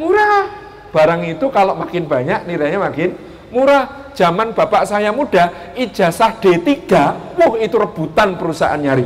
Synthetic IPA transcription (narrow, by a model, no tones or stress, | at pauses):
muɾah | b̥a̤ɾaŋit̪ukaloʔmakɪnb̥a̤ɲaʔniɾaɲamakɪn | muɾah | d̥ʒ̥a̤manb̥a̤paʔsajamuɖ̥a̤ | ʔid̥ʒ̥a̤sahɖ̥e̤t̪iɡ̥a̤wʊhit̪uɾəb̥ut̪anpəɾusaʔa̰nɲaɾi